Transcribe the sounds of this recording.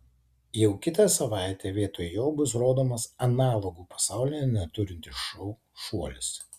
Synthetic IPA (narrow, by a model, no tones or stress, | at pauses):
jɛʊkʲɪt̪ɐsɐʋɑˑɪt̪ʲeːʋʲiɛt̪oːjjoːbʊsɾoːd̪oːmɐsɐnɑːlˠoɡuːpɐ̥sɑˑʊlʲɪjɛnʲɛt̪ʊɾʲɪnʲt̪ʲɪʃʃɔʊ | ʃuɔlʲɪs